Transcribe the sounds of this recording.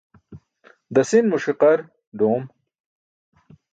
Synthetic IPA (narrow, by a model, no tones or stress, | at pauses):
d̪ɐsinmuʂiqɐɾ | ɖoːm